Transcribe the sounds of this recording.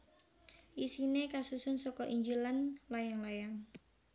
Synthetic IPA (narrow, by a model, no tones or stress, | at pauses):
ʔisinekasusʊnsɔkɔʔiɲd͡ʒilanlajaŋlajaŋ